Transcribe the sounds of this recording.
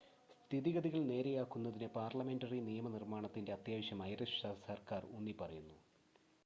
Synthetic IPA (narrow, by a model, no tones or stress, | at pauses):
st̪ʰiðiɣɐðiɣɐɭne̞ːɾejaːkːunːɐðinɨpaːrlɐme̞ndɐrinijɐmɐnirmaːɳɐt̪ːinde̞ɐt̪jaːʋɐɕjɐmɐjreʂsɐsɐrkaːrunːipɐrɐjunːu